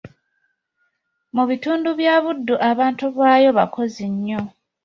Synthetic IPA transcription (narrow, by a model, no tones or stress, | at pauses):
muβituːnduβjaːβudːuʔaβaːntuβwaːjo̞βakʰo̞ziɲːo̞